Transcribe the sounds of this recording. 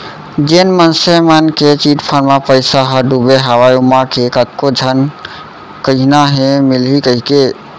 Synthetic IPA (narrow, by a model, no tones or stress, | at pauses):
d͡ʒenmənsemanket͡ʃiʈpʰənmapəjsaɦəɖubeɦəwajumakekət̪kod͡ʒʱən | kəɦnaɦẽmilɦikəɦike